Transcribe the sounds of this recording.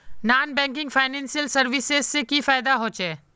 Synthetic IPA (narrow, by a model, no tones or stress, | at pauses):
naːnbɛ̃ːŋkɪ̃ŋɡfʰaːɪnɛ̃ːnsijəlsɐɾʋɪsezsekifaːɪd̪aɦoːt͡ʃeː